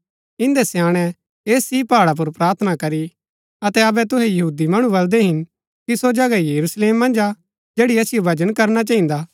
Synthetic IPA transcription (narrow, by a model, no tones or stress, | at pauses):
ɪ̃nd̪ɛsjãːɽ̃ɛ̃ | eːsipaːɽap̬ʊɾpɾaːɾt̪ʰənakɐɾi | ɐt̪ɛɐbɛt̪ʊɦɛjɐɦuːd̪imɐɽ̃ũbɐld̪ɛɦɪn | kisod͡ʒɐɡajɐɾusleːmːɐ̃nd͡ʒa | d͡ʒeːɽiɐsɪjobʱɐd͡ʒənkɐɾnat͡ʃaːĩnd̪aː